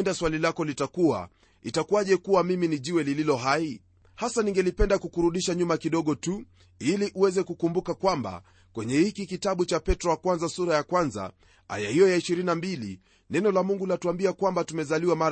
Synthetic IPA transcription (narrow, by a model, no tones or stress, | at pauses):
ndaswalilakɔlitakua̰ | itakuaʄɛkuwamiminiʄiwɛlililɔɦai | hasaniŋɡɛlipɛndakukuɾuɗiʃaɲumakiɗɔɠɔtu | iliʔuwɛzɛkukumbukakwamba̰ | kwɛɲɛhikikitaɓut͡ʃapɛtɾɔwakwanzasuɾajakwanza̰ | a̰jahijɔjaiʃiɾinambilḭ | nɛnɔlamuŋɡulatuambiakwambatumɛzaliwamaɾ